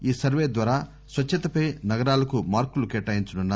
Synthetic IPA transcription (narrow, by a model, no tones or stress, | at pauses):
iːsɐɾʋeːd̪ʋaːɾaː | sʋɐt͡ʃt͡ʃːɐt̪ɐpɐjnɐɡɐɾaːlɐkumaːɾkulukɛʈːaːjiɲt͡ʃununːaː